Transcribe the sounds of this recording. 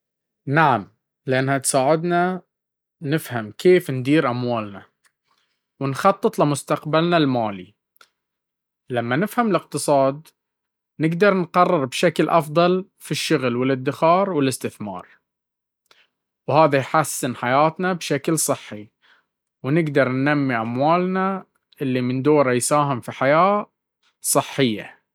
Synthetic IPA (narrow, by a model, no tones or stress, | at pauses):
naʕam | lɪʔanːhat̪saːʕɪd̪na | nɪfhamkʰeːfnd̪iːɾʔamwaːlna | wɪnxɑt̪ˤːɨt̪ˤlɪmʊst̪aqbalnalmaːlḭ | lamːanɪfhamɪlɪqt̪ɨsˤɑːd̪ | nɪɡd̪ɑɾˤnqɑrˤːɪɾbʃaklʔɑfðˤɑl | fiʃːʊɣlwɪlɪd̪ːɪxɑːɾˤwɪlɪst̪ɪθmɑ̰ːɾˤ | whaːðajħasːɪnħajaːt̪nabʃaklsˤɨħːi | wnɪɡd̪ɑɾˤnːamːiʔamwaːlna | ʔɪlːimɪnd̪oːɾajsaːɦɪmfiħajaː | sˤɨħːɪjːa̰